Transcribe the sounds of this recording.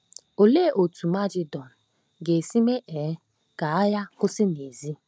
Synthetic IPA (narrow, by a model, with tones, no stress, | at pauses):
o˨le˦ʔo˨tu˨ma˦d͡ʒɪ˦dɔ˨n̩˨ | ɡe˨si˦me˦ʔɛ˨˦ | ɡ̥a˨a˦ja˦kʊ˦sɪ˦ne˨zi˦